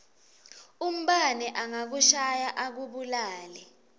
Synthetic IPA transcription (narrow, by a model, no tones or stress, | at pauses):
um̩ɓanɛʔaŋak̬uʃajaʔak̬uɓulaːlɛ